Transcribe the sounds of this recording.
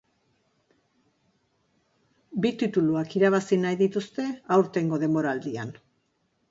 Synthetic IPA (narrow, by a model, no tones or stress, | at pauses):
bit̪it̪uluakiɾaβ̞asinajðit̪ust̪e̞awɾt̪e̞ŋɡo̞ðe̞mbo̞ɾald̪ian